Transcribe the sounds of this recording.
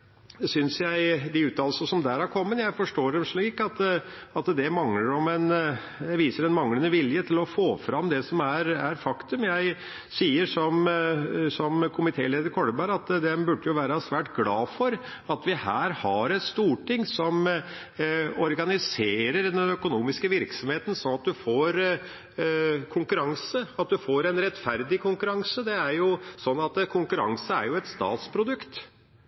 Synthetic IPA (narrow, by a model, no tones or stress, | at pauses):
sʏnsjæɪd̪ɪʉːt̪ɑːlsəsɔmd̪æɾæɾkʰɔmːənjæɪfɔʂʈoːɾɛʂɭiːkɑt̪ɑt̪d̪ɛmɑŋləɾɔmɛn | ʋiːsəɾɛnmɑŋlənəʋɪljət̪ʰɪlɔfoːfɾɑmːd̪ɛsɔmæɾæɾfɑkt̪ʉmjæɪ | siːəɾʂɔm | sɔmkʰʊmɪt̪ʰeːleːd̪əɾkʰɔɽəbɑɾɑt̪d̪ɛmbʉɖːəjʊʋæːɾəsʋæːʈɡlɑːfɔɾ | ɑt̪ʋɪhæːɾhɑɾɛt̪st̪uːʈɪŋːsɔm | ɔɾɡɑnɪseːɾəɾd̪ɛnœkʊnuːmɪskəʋɪɾksɔmheːt̪ənsɔnɑt̪̚d̪ʉfoːɾ | kʰʊŋkʉɾɑŋsəɑt̪̚d̪ʉfoːɾɛnɾɛt̪fæɾd̪ɪkʰʊŋkʉɾɑŋsəd̪ɛæɾjʊsɔnːɑt̪kʰʊŋkʉɾɑ̰ŋsəæ̰ɾjʊɛt̪st̪ɑ̰ːt̪spʰɾʊd̪ʉkt̪